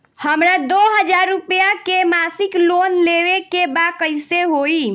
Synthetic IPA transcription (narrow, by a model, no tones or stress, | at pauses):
həmɾad̪oɦəd͡ʒaɾːupjakemasiklonleʋekebakəjseɦoi